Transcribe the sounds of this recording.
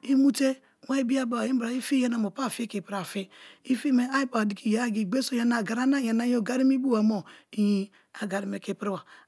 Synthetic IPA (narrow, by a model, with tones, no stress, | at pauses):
i˦mu˦te˦ | wa˦i˦bi˦a˦ba˨i˦bɾa˨i˦fi˦je˦na˨mo˨pa˦˨fi˦ki˨pɾa˨fi˦i˦fi˦me˦a˦i˦pa˨di˨ki˨ja˨˦˨ɡi˨ɡ͡be˦so˦ja˦na˨ɡa˨ɾa˦na˦˨ja˨na˦jo˦˨ɡa˦ɾi˦mi˦bu˦wa˨mo˨i˦ji˦ | a˨ɡa˨ɾi˨me˨ki˨pɾi˦wa˨